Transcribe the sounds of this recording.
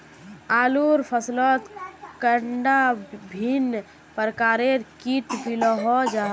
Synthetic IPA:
aːluɾpʰəslɔt̪kəɳɖabʱin | pəɾkaːɾeɾkit̪bilɔɦɔd͡ʒa

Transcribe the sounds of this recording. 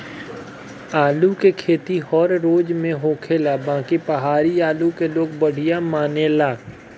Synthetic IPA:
aːlukekʰeːt̪iɦɔːɾɾoːd͡ʒmẽɦoːkʰeːlabãːkipəɦaːɾiaːlukeloːɡ̚bɐɽ̤ɪjamaːnelaː

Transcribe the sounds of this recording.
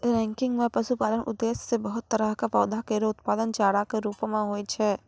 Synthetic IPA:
ɾɛ̃ːŋkɪ̃ŋɡmẽpɐʃupaːlənʔʊ̰d̪ːeːsːebəɦʊt̪ːəɾəɦkapɔːd̪akeɾeʊt̪paːd̪ənd͡ʒaːɽakeɾuːpmãɦoːjt͡ʃʰɛ

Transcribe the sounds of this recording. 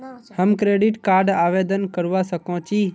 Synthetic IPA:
həmkɾeːɖɪʈkaːɾɖaːʋeːd̪ənkəɾʊʋasəkʰõːt͡ʃiː

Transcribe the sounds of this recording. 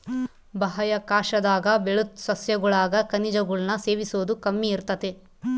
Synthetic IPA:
bɐɦɐjɐkaːʃɐd̪aːɡɐbeɭut̪sɐsjɐɡuɭaːɡɐkɐnid͡ʒɐɡuɭnɐse̞ːʋisoːd̪ukɐmːiiɾt̪ɐt̪e

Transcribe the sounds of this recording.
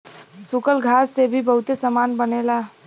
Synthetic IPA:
sukəlɡʱasːebʱibəɦut̪esəmanbənela

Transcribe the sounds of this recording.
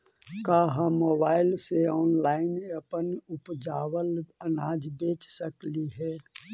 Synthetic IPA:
kaɦamoːbaːɪlseɔːnlaːɪneəpənʊpd͡ʒaːwələnaːd͡ʒbeːt͡ʃsəkliɦɛː

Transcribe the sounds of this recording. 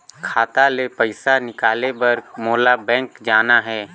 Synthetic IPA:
kʰaːt̪alepəɪsanɪkaːlebɐɾmoːlabɛ̃ːŋkd͡ʒaːnaɦɛː

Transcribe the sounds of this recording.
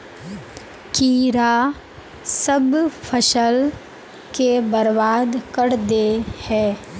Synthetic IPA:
kiːɾa | səbpʰəʃəl | kebəɾbaːd̪kəɾd̪ehɛː

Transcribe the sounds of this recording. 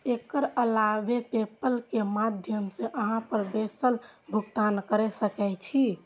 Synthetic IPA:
ekəɾəlabepepəlkemad̪ʱjəmseʔəɦãpəɾbesəlbʱuɡt̪ankəɾɛsəkɛt͡ʃʰi

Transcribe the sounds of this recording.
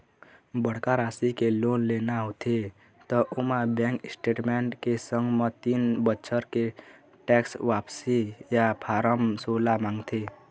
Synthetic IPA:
bəɽ̤kaɾasikelonlenaɦot̪ʰe | t̪ɔʔumãbɛ̃ŋksʈeʈmeɳʈkesə̃ŋɡmə̃t̪inbətːʃʰəɾke | ʈɛksʋapsijapʰaɾəmsolamaŋɡt̪ʰe

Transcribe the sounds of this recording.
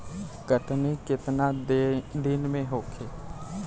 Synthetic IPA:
ɡ̥əʈnikɪt̪nad̪ɪnmẽɦoːkʰeː

